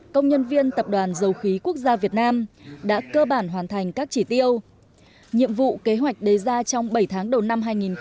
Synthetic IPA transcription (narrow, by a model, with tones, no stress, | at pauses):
kə˧wŋ͡mɲə˧nvi˧ənt̪ə˨˩p̚ɗwaː˨˩nzə˨˩wxi˨˦ku˦˥ək̚zaː˧vi˨˩ət̚naː˧mɗa̰ː˧˥kəː˧ɓaː˧˩nɦwaː˨˩nt̪ʰa˨˩jŋ̟kaː˦˥k̚t͡ɕi˧˩t̪i˧əw | ɲḭ˧˨əmvṵ˧˨ke˨˦ɦwa˨˩jk̟̚ɗə˨˩jzaː˧t͡ɕɔ˧wŋ͡mɓə˧˩jt̪ʰaː˨˦ŋɗə˨˩wna˧mɦaː˧jŋi˨˩n